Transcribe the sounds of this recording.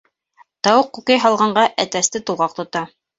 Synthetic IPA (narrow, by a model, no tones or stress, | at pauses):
t̪ɑwɤqːukɘjɦɑlˠʁɑɴɢɑʔæt̪æst̪ɘt̪ulˠʁɑq̚t̪ŏt̪ɑ